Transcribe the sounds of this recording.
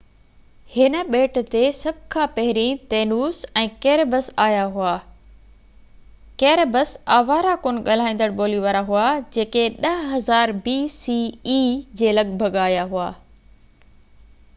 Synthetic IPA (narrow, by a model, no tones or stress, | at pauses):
hɪnə̆ɓeːʈ̆t̪esɐb̚ʱkʰãːpɐɦɪɾĩt̪eːnuːsɛ̃ːkeːɾbəsaːjaɦʊaː | kɛːɾbəsaːʋaːɾakoːnɠɐl̤aːĩːn̆d̪əɽɓoːliʋaːɾaɦʊad͡ʑeːkeɗɐɦɐzaːɾbiːsiːiːd͡ʑeːlɐɠbʱəɠaːjaɦʊaː